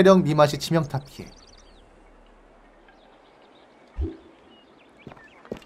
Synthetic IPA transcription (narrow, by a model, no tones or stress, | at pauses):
eɾjʌŋnimaɕ̬ʰit͡ɕʰimjʌŋtʰap̚kʰḭ